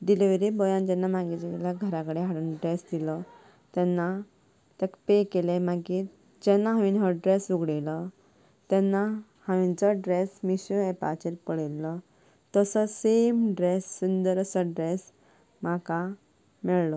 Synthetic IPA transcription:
ɖ̪ileʋeɾibɔjãnd͡ʑɛnːamaɡid͡ʑiiljaɡʱəɾakəɽeɦaɽunɖɾesd̪ilɔ | t̪ɛnːa | t̪ɛkpekelemaɡi | d͡ʑɛnːaɦaʋinɦəɖɾesuɡɽilɔ | t̪ɛnːa | hãʋint͡sɔɖɾesmiɕuɛpa̰t͡ɕeɾpəɽɛlːɔ | t̪əsɔsemɖɾesːund̪əɾsɔɖɾes | maka | mɛɭlɔ

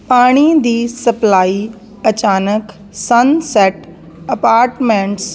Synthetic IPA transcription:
paːɽ̃id̪iːsɐplaːi | ɐt͡ɕaːnək | sɐnseːʈ | ɐpaːɾʈmẽːɳʈs

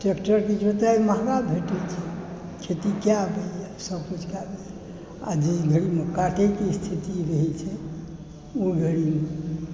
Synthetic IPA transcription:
ʈekʈəɾked͡ʒot̪ajmaɦɡabʱeʈɛt͡ʃʰɛkʰet̪ikjabeɛsəbkud͡ʒʰʱkabel | a̰d͡ʒiɡʱəɽimekaʈekest̪ʰit̪iɾəɦɛt͡ʃʰɛ | oɡʱəɽime

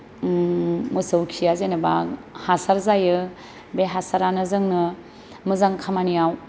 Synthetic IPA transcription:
mɯsɯwkʰijazenaba | hasaɾzajɯ | beɦasaɾanɯzɯŋnɯ | mɯzaŋkʰamanijaw

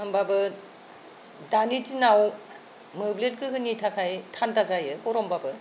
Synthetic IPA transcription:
ambabɯ | danitinaw | mɯblet̚kɯɦɯnitʰakʰajtʰantazajɯkɔɾɔmbabɯ

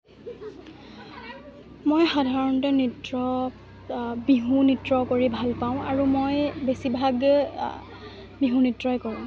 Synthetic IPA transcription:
mojxadʱaɹɔntɔnitɹɔ | biɦunitɹɔkoɹibʱalpaʊ̃aɹumojbesibʱaɡ | biɦũnitɹɔjkoɹũ

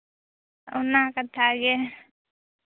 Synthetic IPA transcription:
unːaːkat̪ʰaːɡe

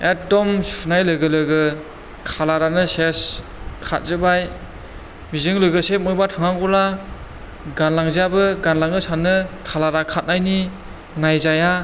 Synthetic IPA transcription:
et̚dɔmsunajlɯɡɯlɯɡɯ | kʰalaɾanɯses | kʰa̰t̚zɯbaj | bizɯŋlɯɡɯsep̚mɔjbatʰaŋaŋɡɔla | ɡanlaŋzijabɯɡanlaŋɯsanɯkʰalaɾakʰat̚najni | ŋajzaja

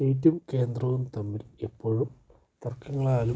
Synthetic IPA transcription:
eːt̬ːumke̞ːnd̪rɐʋumt̪ɐmːilepːo̞ːɻum | t̪ɐrkːɐŋːɐɭaːlu

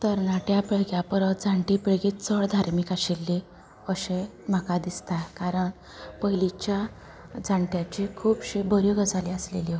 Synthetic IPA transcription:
t̪əɾnaʈjapeɭɡjapɾət̪̚d͡zʱãɳʈipeɭɡit̪t͡səɭd̪ʱaɾmikaɕilːi | əɕe | m̤akad̪ist̪akaɾəɳ | pəɦilit͡ɕja | d͡zʱãɳʈjat͡ɕikʰuːbɕebʱəɾjoɡʱəd͡zaliaslḛli

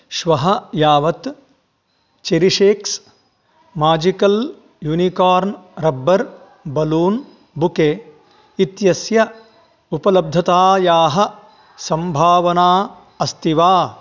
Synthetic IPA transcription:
ʃʋɐɦɐjaːʋɐt̪ | t͡ʃeɾiʃeːks | maːd͡ʒikɐl | juːnikaːɾnɾɐbːɐɾ | bɐluːn | bukeː | it̪jɐsjɐ | upɐlɐb̚d̪ʱɐt̪aːjaːɦɐ̆ | sɐmbʱaːʋɐnaː | ɐst̪iʋaː

